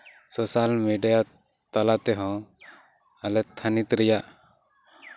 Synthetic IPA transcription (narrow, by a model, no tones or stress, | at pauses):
sɔsalmeɖija | t̪alat̪ɛɦɔ̃ | alɛt̪ʰːanit̪ɾɛjaʔ